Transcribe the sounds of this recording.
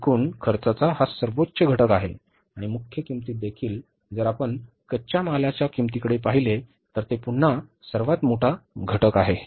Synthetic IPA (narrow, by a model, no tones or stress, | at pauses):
kʰuːnkʰəɾt͡sat͡saɦasəɾʋotːɕəɡʱəʈəkaɦe | aɽ̃imukʰjəkimt̪iːt̪̚d̪ekʰiːl | d͡zəɾapəɳ | kət͡ɕamalat͡ɕjakimt̪ikəɽepaɦile | t̪əɾt̪epuɳ̤ːasəɾʋat̪moʈʰaɡʱəʈəkaɦe